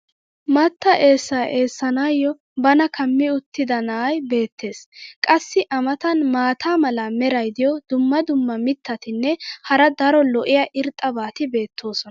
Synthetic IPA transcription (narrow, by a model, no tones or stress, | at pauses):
mɐt̪ːɐʔe̞ːsːɐːʔe̞ːsːɐnaːjːɔ | bɐnɐkʰɐmːɪʊt̪ːɪd̪ɐnaːjbe̞ːt̪ːe̞ːskʼɐsːɪʔɐmɐt̪ɐnmaːt̪ʰaːmɐlɐmɛɾɐjd̪ɪjɔd̪ʊmːɐd̪ʊmːɐmɪt̪ʰːɐt̪ɪnːɛhɐɾɐd̪ɐɾɔlɔʔɪjɐʔɪɾt̪ʼːɐbaːt̪ɪbe̞ːt̪ʰːo̞ːsɔn